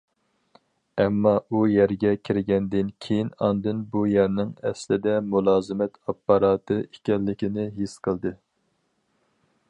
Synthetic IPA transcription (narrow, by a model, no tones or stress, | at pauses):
ɛmːɑʔujæɾɡʲɛkʲʰɪɾɪɡʲɛnd̪ɪnkʲʰejinɑnd̪ɨnbujæɾnɪŋɛslɪd̪ɛmulˠɑːzɨmɛt̪ɑpːɑɾɑːt̪ʰɨekʲɛlːɪkʲinɪɦisqʰəlˠd̪ɨ